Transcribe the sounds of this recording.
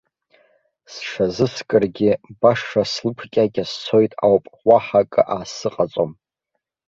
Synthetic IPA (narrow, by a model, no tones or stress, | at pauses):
sʂazɨskʼɨrɡʲɪbaʂːaslɨpʰkʲʼakʲast͡sʰo̞jtʼawpʼwaħakʼɨ̰ʔaːsɨqʼat͡sʼom